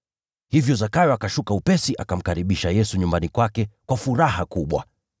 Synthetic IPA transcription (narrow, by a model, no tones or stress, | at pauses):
hivjɔzakajɔakaʃukaupɛsiʔakam̩kaɾiɓiʃajɛsuɲumbanikwakɛkwafuɾahakuɓwa̰